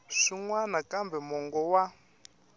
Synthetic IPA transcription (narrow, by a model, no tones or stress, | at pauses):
ʂiŋwanakambɛmɔŋɡɔwa